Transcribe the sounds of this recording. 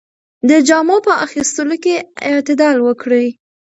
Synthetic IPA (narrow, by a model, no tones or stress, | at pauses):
d̪əd͡ʒɑmopəaxist̪əlokeɪt̪ɪd̪ɑlwəkɽəj